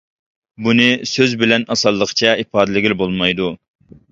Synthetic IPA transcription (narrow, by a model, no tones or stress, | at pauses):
bunɨsøzbɪlɛnɑsɑlˠːəqʰt͡ʃʰɛipɑːd̪ɪlɪɡʲilbolˠmɑjd̪u